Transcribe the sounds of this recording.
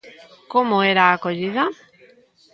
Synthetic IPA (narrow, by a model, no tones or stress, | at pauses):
komoeɾaːkoʎiða